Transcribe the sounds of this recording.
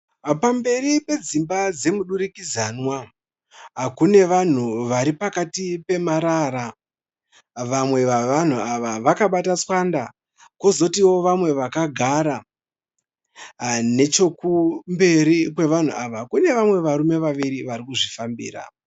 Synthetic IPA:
pambe̞ɾipe̞d͡zimbad͡ze̞muɗuɾikizanwa | ɦakune̞ʋan̤uʋaɾipakatipe̞maɾaɾa | ʋamwe̞ʋaʋan̤uaʋaʋakaɓatat͡swanda | kozo̞tiwo̞ʋamwe̞ʋakaɡʱaɾa | ne̞t͡ʃo̞kumbe̞ɾikwe̞ʋan̤ṵaʋakune̞ʋamwe̞ʋaɾume̞ʋaʋiɾiʋaɾikuʐifambḭːra̰

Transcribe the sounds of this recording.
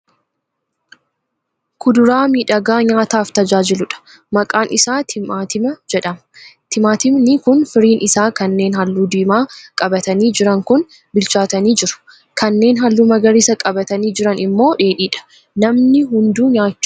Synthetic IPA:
kʰʊd̪ʊɾaːmiːᶑɐɡaːɲaːt̪aːft̪ɐd͡ʒaːd͡ʒɪlʊᶑɐ̥ | mɐkʼaːnʔɪsaːɪat̪ɪmɐd͡ʒɛᶑɐmɐt̪ɪmaːt̪ɪmnɪkʊnfɪɾiːnʔɪsaːkɐnːe̞ːnɦɐlːuːd̪iːmaːkʼɐbɐt̪ɐniːd͡ʒɪɾɐŋkʊn | bɪlt͡ʃaːt̪ɐniːd͡ʒɪɾʊ̥ | kɐnːe̞ːnɦɐlːʊmɐɡɐɾɪsɐkʼɐbɐt̪ɐniːd͡ʒɪɾɐnɪmːo̞ːᶑe̞ːᶑiːᶑɐ̥ | nɐmnɪɦʊnd̪uːɲaːt͡ʃː

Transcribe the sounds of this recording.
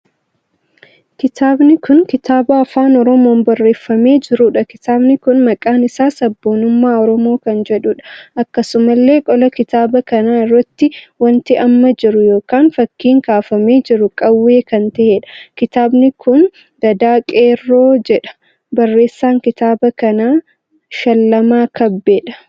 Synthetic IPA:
kɪt̪ʰaːbnɪkʊŋkɪt̪aːbɐːfaːnɔɾɔmo̞ːmbɐrːe̞ːfːɐme̞ːd͡ʒɪɾuːᶑɐkɪt̪aːbnɪkʊnmɐkʼaːnɪsaːsɐbːo̞ːnʊmːaːɔɾɔmo̞ːkɐnd͡ʒɛᶑuːᶑɐ̥ɐkːɐsʊmɐlːe̞ːkʼɔlɐkɪt̪aːbɐkɐnaːɪrːɐt̪ːɪwɐnt̪ɪʔɐmːɐd͡ʒɪɾʊjo̞ːkaːnfɐkːiːŋkaːfɐme̞ːd͡ʒɪɾʊkʼɐwːe̞ːkɐnt̪ɐheᶑɐ̥kɪt̪aːbnɪkʊn | d̪ɐd̪aːkʼeːrːoːd͡ʒɛᶑɐ̥ | bɐrːe̞ːsːaːŋkɪt̪aːbɐkɐnaː | ʃɐlːɐmaːkɐbːeːᶑɐ̥

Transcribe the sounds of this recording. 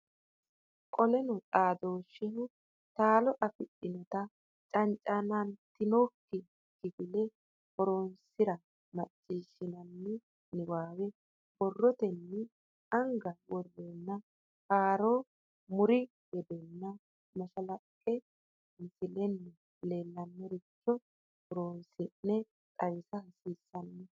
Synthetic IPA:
kʼɔlɛnɔt͡sʼaːd̪o̞ːʃːɪnʊ | t̪aːlɔʔɐfɪɗɪnɔt̪ɐ | t͡ʃʼɐnt͡ʃʼanɐnt̪ɪnoːkːɪ | kːɪɡɪlɛ | hɔɾoːnsɪɾɐ | mɐt͡ʃʼːiːʃːɪnɐnːɛ | nɪwaːwɛ | b̥ɔrːɔt̪ɛnːɛ | ɐŋɡɐwɔrːɛnːɐ | kaːɾoː | mʊɾɪ | ɡɛd̪ɛnːɐ | mɐʃɐlɐkʼːɛ | mɪsɪlɛnːɛ | leːlːɐnːɛɾɪt͡ʃːɔ | hɔɾoːnsɪnːɛ | t̪ʼɐwɪsɐhɐsiːsːɐnːɛ

